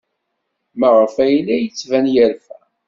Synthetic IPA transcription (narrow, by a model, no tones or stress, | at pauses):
məʁfæjlːæjət͡sːvænjəɾfæ